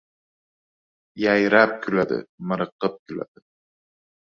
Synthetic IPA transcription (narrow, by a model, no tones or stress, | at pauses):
jajɾap̚kʲʰylad̪ɪ̰mɨɾɨqːɨp̚kʲʰyla̰d̪̥ɪ